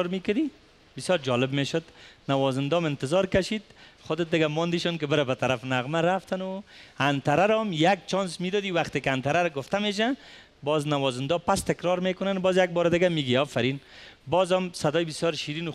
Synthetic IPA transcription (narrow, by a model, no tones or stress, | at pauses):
ɾmikad̪i | bɪsjɔɾd͡ʒɔlɪbmeʃʊd̪nawɔzɪnd̪ɔmɪnt̪ɪzɔɾkaʃid̪χʊd̪ɪt̪̚d̪ɪɡamɔnd̪iʃɔnkɪbɪɾabat̪aɾafnaɣmaɾaft̪anʊant̪aɾaɾɔmjak̚t͡ʃɔnsmid̪ɔd̪iwaχt̪ekɪant̪aɾaɾaɡʊft̪ameʃ̬a | bɔznawɔzɪnd̪ɔpast̪ɪkɾɔɾmekʊnanbɔzjaɡ̚bɔɾd̪ɪɡamiɡiɔfaɾinbɔzɔmsad̪ɔjbɪsjɔɾʃiɾinʊ